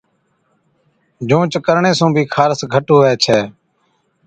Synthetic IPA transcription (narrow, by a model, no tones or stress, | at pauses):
d͡ʒõːt͡ʃkəɾɳeːsũːbʱiːkʰaːɾsɡʱəʈoːʋɛːt͡ʃʰɛː